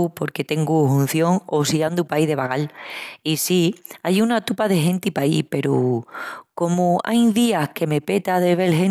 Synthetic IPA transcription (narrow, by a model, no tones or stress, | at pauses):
upo̞ɾke̞t̪e̞ŋɡuɦun̟θjo̞ŋosiand̪upaiðe̞βaɣalisiajunat̪upaðe̞ɦẽ̞nt̪ipaḭpe̞ɾu | ko̞mua̰jðiahke̞me̞pe̞t̪aðe̞βe̞lɦen